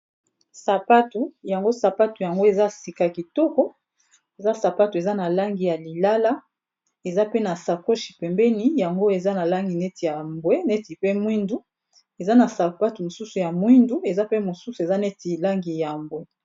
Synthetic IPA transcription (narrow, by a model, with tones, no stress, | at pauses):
sa˨pa˦tu˨ja˨ŋɡo˦sa˨pa˦tu˨ja˨ŋɡo˦e˨za˦˨si˨ka˨ki˨tɔ˦kɔ˦ | e˨za˦sa˨pa˦tu˨e˨za˦na˨la˦ŋɡi˨ja˨li˨la˦la˦ | e˨za˦pe˦na˨sa˨ko˦ʃi̥˨pɛ˨mbɛ˦ni˦ja˨ŋɡo˦e˨za˦na˨la˦ŋɡi˨ne˦ti˨ja˨mbwe˦nɛ˦ti˨pe˦mwi˦ndu˦ | e˨za˦na˨sa˨pa˦tu˨mo˨su˦su˨ja˨mwi˦ndu˦e˨za˦pe˦mo˨su˦su˨e˨za˦ne˦ti˨la˦ŋɡi˨ja˨mbwɛ˦